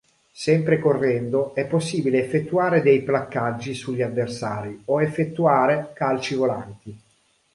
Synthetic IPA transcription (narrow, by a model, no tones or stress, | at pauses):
sɛmpɾekorːɛnd̪oɛpːosːiːbileːfːet̪ːuaːɾed̪ɛjplakːad͡ʒːisuʎːiavːersaːɾioefːet̪ːuaːɾekalt͡ʃivola̰nt̪i